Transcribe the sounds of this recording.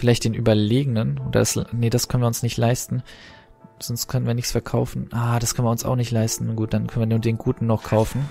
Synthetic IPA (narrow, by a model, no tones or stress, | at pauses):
fɪlaɪçt̚d̥eːnʔyːbɐleːɡənənʔoːdɐ̰asnəd̥askʰœnviɐʊnsnɪçtlaɪstn̩ | z̥ɔnstkʰœnənviːɐnɪçsfɛɐkʰaʊfn̩ʔaːd̥askʰœnviɐʊnsa̰ʊxnɪçtlaɪstn̩ːɡuːt̚d̥ankʰœnviːɐnuːdeːnɡuːtn̩ːɔχkʰaʊfn̩